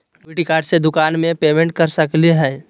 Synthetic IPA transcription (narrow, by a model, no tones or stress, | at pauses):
biʈikaːʈsed̪ʊkaːnmẽpeːmẽɳʈ̚kəɾsəkliɦɛː